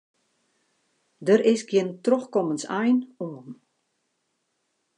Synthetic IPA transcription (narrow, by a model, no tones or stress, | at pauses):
dəɾʔɪsɡjəntroxkɔmənsɛjnoəm